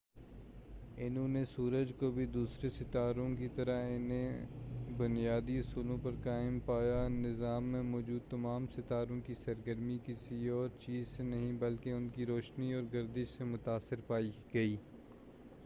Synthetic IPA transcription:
ɪnɦõnesuːɾəd͡ʒkobʱid̪uːsɾesɪt̪aːɾõkit̪ɐɾaɪnẽ | bʊnijaːd̪iʊsuːlõpɐɾkaːɪmpaːjanɪzaːmːẽmɔːd͡ʒuːd̪̚t̪ɐmaːmsɪt̪aːɾõkisɐɾɡəɾmikɪsiɔːɾt͡ʃiːzsenɐɦĩbɐlkeʊnkiɾoːʃniɔːɾɡɐɾd̪ɪʃsemʊt̪aːsːɪɾpaːiɡɐiː

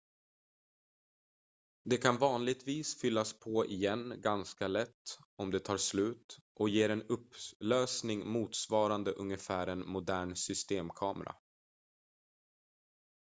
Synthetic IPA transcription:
d̪ɛkʰanvɑːnlɪɡ̚t̪viːsfʏlːaspʰɔɪjɛnːɡanskalɛt̪ːɔmd̪ɛt̪ʰɑːʂlʉ̟ːt̪ʔɔjeːɾɛnɵpːløːsnɪŋmuːt̪svɑːɾand̪əʔɵŋːəfæːɾɛnmʊd̪æːɳsʏst̪eːmkʰɑːmɛ̰ɾa̰

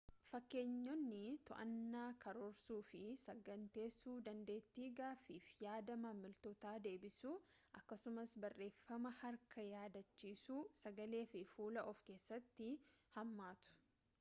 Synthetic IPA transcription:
fɐkːe̞ːɲːɔnːɪt̪ɔʔɐnːaːkʰɐɾɔɾsuːfɪsɐɡɐnt̪e̞ːsuːd̪ɐnd̪e̞ːt̪ːiːɡaːfiːfjaːd̪ɐmɐmɪlt̪ɔt̪aːd̪e̞ːbɪsuː | ʔɐkːɐsʊmɐsbɐrːe̞ːfːɐmɐhɐɾkʰɐjaːd̪ɐt͡ʃːiːsuːsɐɡɐle̞ːfɪfuːlɐʔɔfke̞ːsːɐt̪ːɪhɐmːaːt̪ʊ̥

